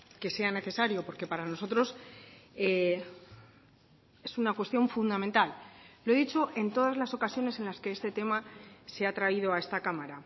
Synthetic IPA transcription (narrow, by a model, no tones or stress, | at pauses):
ke̞se̞ane̞θe̞saɾjo̞po̞ɾke̞paɾano̞s̬o̞t̪ɾo̞s | e | e̞sunakwe̞st̪jo̞ɱfund̪ament̪allːo̞e̞ðit͡ʃo̞ʔe̞nt̪o̞ð̞azlaso̞kasjo̞ne̞se̞nlaske̞est̪e̞t̪e̞maseat̪ɾaiðo̞ae̞st̪akamaɾa